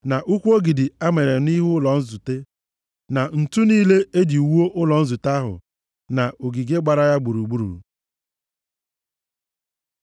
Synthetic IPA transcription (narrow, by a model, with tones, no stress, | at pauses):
na˨ʔu˦kʷu˦o˦ɡi˨dɪ˨a˦me˨ɾe˨ni˦ɦʊ˦lɔ˨n̩˦zu˨te˦ | na˨n̩˨tu˦niː˦le˦e˦di˨wu˦o˦ʔʊ˦lɔ˨n̩˦zu˨ta˦ɦʊ̰˨ | na˨o˨ɡi˨ɡe˦ɡ͡ba˨ɾa˦ja˦ɡ͡bu˨ɾu˨ɡ͡bu˦ɾṵ˨